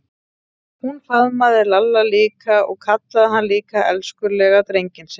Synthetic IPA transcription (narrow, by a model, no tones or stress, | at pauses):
hunfaðmaðɪɾlalːaliːkaɔ̰ɣkʰat̪laðɦanːliːkaʔɛ̰lskʏɾlɛɣat̪ɾejɲcɪns